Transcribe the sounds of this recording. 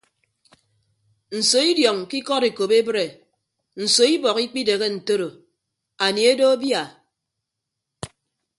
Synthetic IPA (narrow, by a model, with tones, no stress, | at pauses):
n̩˨so˨i˦djɔ˨ŋki˦kɔ˦ɾe˨ko˨be˦bɾe˨ | n̩˨so˨i˦bɔ˨ki˦k͡pi˦de˨ɣe˦n̩˨to˦ɾo˨ | a˨ni˨e˦do˦a˦bja˨